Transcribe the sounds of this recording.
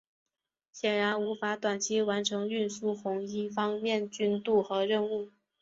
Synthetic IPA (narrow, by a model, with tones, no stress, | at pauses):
ɕjɛ˨˩nɻa˧˥nu˧˥fa˧˥t̪wa˨˩nt͡ɕʰi˥wa˧˥nʈ͡ʂʰɤ˧˥ŋy˥˩nsu˥xʊ˧˥ŋi˥fɑ˥ŋmjɛ˥˩nt͡ɕy˥nt̪u˥˩xɤ˧˥ɻə˥˧nu˥˩